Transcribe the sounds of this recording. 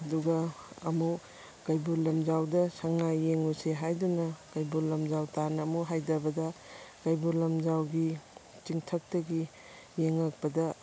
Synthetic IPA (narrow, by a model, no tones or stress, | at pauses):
ɐduɡɐɐmu | kɐjbulɐmzawdɐsɐŋːajeŋuseɦajdunɐkɐjbuɾlɐmzawtanɐmuɦajdɐbɐdɐkɐjbulɐmd͡ʒawɡi | t͡ʃiŋtʰɐk̚tɐɡi | jeŋɐk̚pɐdɐ